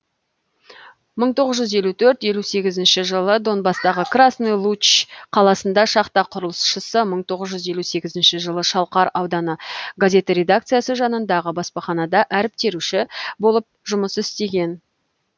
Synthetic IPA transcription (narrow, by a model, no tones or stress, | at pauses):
məɴt̪ʰo̞ʁəzʒʏzje̞lut̪ʰɵɾt̪je̞luse̞ɡʲɪzɪnʃɪʒəlˠəd̪o̞nbɑst̪ɑʁəkrasnilˠut͡ʃqʰɑlˠɑsənd̪ɑʃɑqt̪ɑqʰʊɾəlˠəsʃəsəməɴt̪ʰo̞ʁəzʒʏzje̞luse̞ɡʲɪzɪnʃɪʒəlˠəʃɑlˠqɑɾɑwd̪ɑnəɡazʲe̞t̪əɾe̞d̪ak̚t̪sɨjasəʒɑnənd̪ɑʁəbɑspɑχɑnɑd̪ɑʔæɾɪp̚t̪e̞ɾuʃɪbo̞lˠəp̚ʒʊməsɪst̪e̞ɡʲe̞n